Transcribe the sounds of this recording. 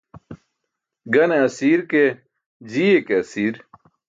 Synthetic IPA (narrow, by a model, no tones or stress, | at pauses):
ɡɐneɐsiːɾke | d͡ʑiːekeɐsiːɾ